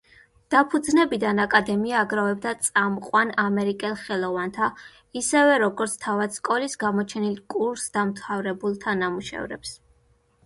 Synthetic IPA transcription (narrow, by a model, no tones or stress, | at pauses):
d̪̥apʰud̪znɛbid̪anakʼad̪ɛmiaːɡɾavɛb̚d̪at̪sʼamqʼwanamɛɾikʼɛlˠχɛlˠɔvant̪ʰa | isɛvɛɾɔɡɔɾt̪sʰt̪ʰavad̪̥skʼɔlisɡamɔt͡ʃʰɛnilkʼuɾsd̪amt̪ʰavɾɛbulˠt̪ʰanamuʃɛ̰vɾɛ̰ps